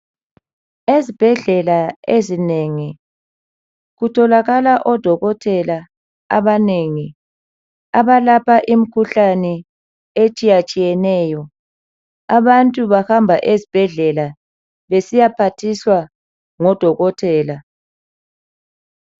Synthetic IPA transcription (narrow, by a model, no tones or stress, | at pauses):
ezib̥ʱɛɮɛlaezineŋi | ɣutʰɔlaɣalaʔɔd̥ʱɔɣɔtʰɛla | aβaneŋi | aβalapʰaʔim̩kʰuɬanɛ | et͡ʃʼijat͡ʃʼijɛnɛːjɔ | aβantʼuβahambʱaʔezib̥ʱɛɮɛla | βesijapʰatʰiswa | ŋɔd̥ʱɔɣɔtʰɛːla